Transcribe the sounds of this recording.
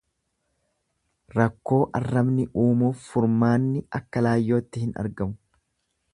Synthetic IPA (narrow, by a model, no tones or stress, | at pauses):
ɾɐkːo̞ːʔɐ̰rːɐbnɪʔuːmuːfːʊɾmaːnːɪɐkːɐlaːjːo̞ːt̪ːɪhɪnɐ̰ɾɡɐmʊ̥